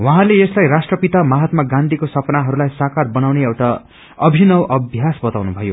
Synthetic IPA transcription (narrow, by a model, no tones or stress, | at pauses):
wʌ̃ɦãleeslajrasʈrʌpit̪amaɦʌt̪maɡãnd̪ʱikosʌpnaɦʌɾulajsakarbʌnawneewʈa | ʌbʱinʌwʔʌbʱjasbʌt̪awnubʱʌjo̰